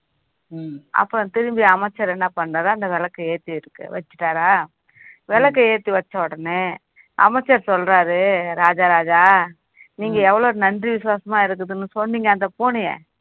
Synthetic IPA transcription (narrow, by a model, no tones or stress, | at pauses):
ɐ̰pːõt̪ɪɾɯmbɪjɐɐmɐt͡ʃːɐɾɛnːɐpɐɳːraːɾaɐnd̪ɐʋɛlɐkːɐeːɾt̪ːiɪɾɯkːɯ̰ʋɐt͡ʃːɯ̥ʈːaːɾaː | ʋɛlɐkːɐeːɾt̪ːiʋɐt͡ʃːɐʋɔɽɐne | ʔɐ̰mɐt͡ʃːɐɾsɔlɾaːɾɯɾaːd͡ʒaːɾaːd͡ʒaː | niːŋɡɐɛʋːɐɭoːɾɯnɐndriʋɪsʊʋaːsɐmaːɪɾɯk̬ːɐðɯnːɯsɔnːiːŋɡɐːnd̪ɐpoːnɪjɐ̰̃